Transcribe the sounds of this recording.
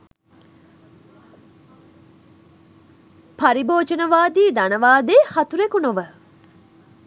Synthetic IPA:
pɐɾiboːd͡ʒənəʋaːd̪iːd̪ɐnəʋaːd̪eːhɐt̪uɾekunoʋə

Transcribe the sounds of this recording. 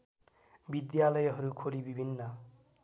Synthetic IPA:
bid̪jalʌjɦʌɾukʰolibibʱinːʌ

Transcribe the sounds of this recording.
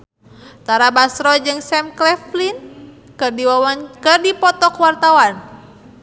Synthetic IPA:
t̪aɾabasɾɔd͡ʒɨŋsɛmklɛflin | kɨrdiwawankɨrdipɔt̪ɔkwart̪awan

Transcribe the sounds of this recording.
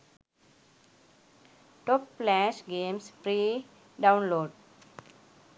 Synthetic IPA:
ʈɔpːlɛʃɡẽːmspɾiː | ɖãʊ̃nloːɖ

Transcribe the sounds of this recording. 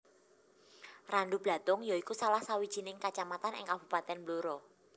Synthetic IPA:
ranɖub̥la̤t̪ʊŋjaikusalahsawid̥ʒ̥i̤nɪŋkat͡ʃamat̪anʔɪ̰ŋkab̥ṳpat̪ɛnbluɾɔ

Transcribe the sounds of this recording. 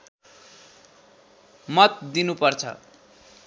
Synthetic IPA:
mʌt̪̚d̪inupʌrt͡sʰʌ̰

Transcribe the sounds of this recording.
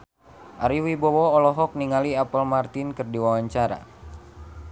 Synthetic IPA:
ʔaɾiwibɔwɔːlɔɦɔk̚niŋaliapəlmart̪inkɨrdiwawaɲt͡ʃaɾa̰

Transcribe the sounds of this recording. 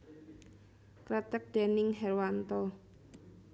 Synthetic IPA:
kɾət̪ək̚d̪̥ɛ̤nɪŋɦɛrwant̪ɔ

